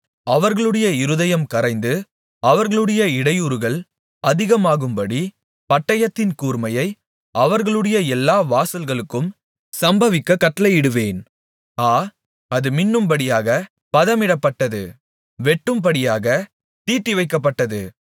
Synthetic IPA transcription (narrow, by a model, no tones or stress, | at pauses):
ɐʋɐɾɣɐɭɯɽɐjɐɪɾɯðɐjɐmkɐɾɐɪnd̪ɯ | ɐʋɐɾɣɐɭɯɽɐjɐɪɽɐjuːɾɯɣɐɭ | ɐðɪɣɐmaːɣɯmbɐɽi | pɐʈːɐjɐt̪ːɪnkuːɾmɐjɐɪ | ʔɐʋɐɾɣɐɭɯɽɐjɐɛlːaːʋaːsɐlɣɐɭɯkːɯm | sɐmbɐʋɪkːɐkːɐʈːɐlɐjɪɽɯʋeːn | aː | ɐðɯmɪnːɯmbɐɽɪjaːɣɐ | pɐðɐmɪɽɐpːɐʈːɐðɯ̰ | ʋɛʈːɯmpɐɽɪjaːɣɐ | t̪iːʈːiʋɐɪkːɐp̬ːɐʈːɐðɯ